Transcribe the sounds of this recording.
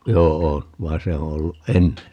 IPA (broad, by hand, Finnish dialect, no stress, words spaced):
joːo ʋɑin̞ se o olːuʔ ʔenːe